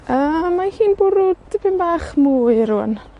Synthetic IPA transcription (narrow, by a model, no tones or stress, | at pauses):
əːmːahiːnbʊɾʊdpʰɪnbaːχmuːɨɾuːə̰n